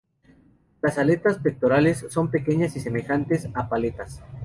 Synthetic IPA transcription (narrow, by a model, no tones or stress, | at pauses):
lasale̞t̪aspe̞k̚t̪o̞ɾale̞sːo̞mpe̞ke̞ɲasise̞me̞xant̪e̞sapale̞t̪as